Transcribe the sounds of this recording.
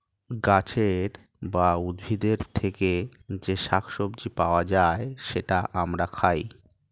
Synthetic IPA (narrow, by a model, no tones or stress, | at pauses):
ɡat͡ɕʰeɾ | baud̪bʱid̪eɾt̪ʰeked͡ʑeʃakʰʃobd͡ʑipaoad͡ʑaeʃeʈaʔamɾakʰaj